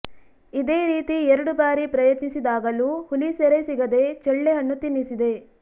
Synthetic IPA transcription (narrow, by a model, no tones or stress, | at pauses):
id̪e̞ːɾiːt̪iɛɾɐɽubaːɾipɾɐjɐt̪nisid̪aːɡɐluːhuliseɾesiɡɐd̪e̞t͡ʃɛɭːɛjɐnːut̪inːisid̪e̞